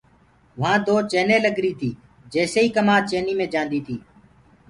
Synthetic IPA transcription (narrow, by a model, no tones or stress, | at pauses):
ʋãːd̪oːt͡ʃeːneːləɡɾiːt̪ʰiː | d͡ʒeːseːiːkəmaːt͡ʃeːniːmẽːd͡ʒãːnd̪iːt̪ʰiː